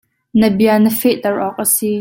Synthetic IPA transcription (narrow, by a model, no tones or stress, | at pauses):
nəbiɐnəfɛʔt̪ɐɹʔɔk̚ʔəsi